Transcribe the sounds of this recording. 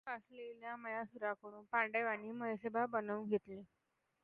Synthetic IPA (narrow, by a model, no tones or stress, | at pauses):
asleljaməjasuɾakəɽ̃uːnpaɳɖeʋaniːməjsebʱabənəʋɡʱet̪liː